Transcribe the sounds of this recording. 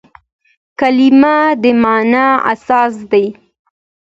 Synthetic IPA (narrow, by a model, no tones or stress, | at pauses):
kalimad̪əmɑnaa̰sɑs̬d̪aj